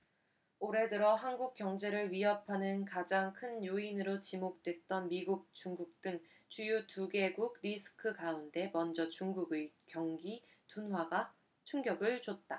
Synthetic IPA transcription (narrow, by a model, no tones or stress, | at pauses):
oɾe̞dɯɾʌɦanɡuk̚k͈jʌŋd͡ʑe̞ɾɯɭɥiɦʌpʰanɯnkad͡ʑaŋkʰɯnjoinɯɾot͡ɕimok̚t͈we̞t̚t͈ʌnmiɡuk̚t͡ɕuŋɡuk̚t͈ɯŋ | t͡ɕujutuɡe̞ɡuɡɾisʰɯ̥kʰɯkaunde̞mʌnd͡ʑʌt͡ɕuŋɡuɡɯkjʌŋɡi | tunɦwaɡa | t͡ɕʰuŋɡjʌɡɯɭt͡ɕot̚t͈a